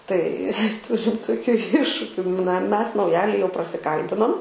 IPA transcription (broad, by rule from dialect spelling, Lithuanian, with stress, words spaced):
tɐɪ ˈtʊrʲɪm toːˈkʲuː ˈɪʃʃʊkʲʊ nɐ ˈmʲɛs nɐʊˈjæːlʲɪ jɛʊ prɐsʲɪˈkɐlʲbʲɪnoːm